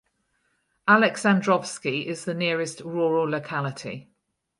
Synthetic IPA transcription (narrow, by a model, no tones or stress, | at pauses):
ʔalɛksãndɹɒv̥skiɪzðənɪəɹɪstɹɔːɹələʊkʰalɪtʰḭ